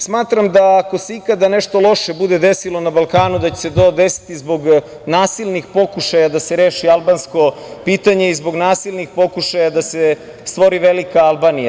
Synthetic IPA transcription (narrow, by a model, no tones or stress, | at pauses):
smaːt̪ɾamd̪aːko̞se̞ikad̪ane̞ʃt̪o̞lo̞ʃe̞bud̪ed̪e̞silˠo̞nabalˠkaːnud̪at͡ɕese̞t̪o̞ːd̪esi̥t̪izbo̞ɡ | naːsilˠnixpo̞kuʃajad̪ase̞ɾeːʃialˠbaːnsko̞ | piːt̪aɲeizbo̞ɡnaːsilˠnixpo̞kuʃajad̪ase | st̪ʋo̞ɾiʋe̞likaalˠbaːnija